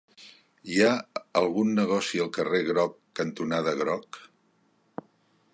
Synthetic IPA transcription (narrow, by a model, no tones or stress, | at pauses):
iaəlˠɣunːəɣɔsiəlˠkəreɣɾɔkːənt̪unaðəɣɾɔk